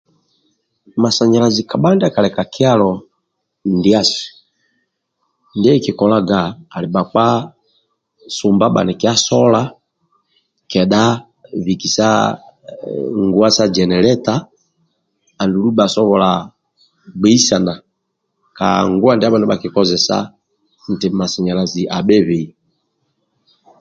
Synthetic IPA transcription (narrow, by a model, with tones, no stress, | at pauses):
ma˨sa˨ɲa˨la˨zi˨ka˨ɓa˦nda˦˨ka˨lɛ˨ka˨ki˦a˦lɔ˨ | ndi˦a˦si̥˨ | ndɛ˦i˦˨ki˨kɔ˨la˦ɡaː˨li˨ɓa˨k͡pa˦ | su˨mba˦ɓa̰˨nɛ˨ki˦a˦sɔ˦la˦ | kɛ˨ɗa˦ | vi˨ki˨sa̰˦ | ŋɡu˨˦a˦sa˦d͡ʒɛ˨nɛ˨lɛ˦ta˦ | a˨ndu˨lu˦ɓa˨sɔ˦βɔ˨la˨ | ɡ͡bɛ˦i˦sa˨na˨ | ka̰˨ŋɡu˦a˦ndɛ˦a˦ɓa˨nɛ˦ɓa˨ki˨kɔ˦zɛ˨sa̰˦ | n̩˨tɛ˨ma˨si˨ɲa˨la˨zi˨ʔa˨ɓɛ˦βe˨i˨